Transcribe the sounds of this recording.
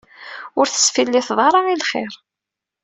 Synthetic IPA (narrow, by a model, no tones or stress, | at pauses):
ʊɾθə̥sfilːiθðˤɑɾˤɑilχeɾ